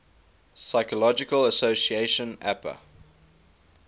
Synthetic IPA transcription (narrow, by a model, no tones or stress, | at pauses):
saɪkəlɔd͡ʒɪkələsoʊsieɪʃə̃næpə̰